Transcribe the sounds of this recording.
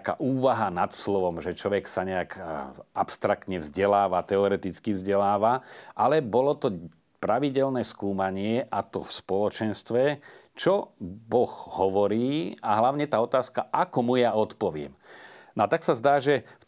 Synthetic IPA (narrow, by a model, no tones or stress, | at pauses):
ka̰ːʔuːʋaɦanat̪slɔʋɔmʒɛt͡ʃɔʋɛksaɲɛakʔapst̪ɾak̚t̪ɲɛvzɟɛlaːʋat̪ɛɔɾɛt̪it͡skivzɟɛlaːʋaʔalɛbɔlɔt̪ɔ | pɾaʋiɟɛlnɛːskuːmaɲɪɛʔat̪ɔfspɔlɔt͡ʃɛnst̪ʋɛt͡ʃɔbɔɣhɔʋɔɾiːaɦlaʊɲɛt̪aːɔt̪aːskaʔakɔmujaɔt̪pɔʋɪɛ̰mnat̪aksazd̪aːʒɛf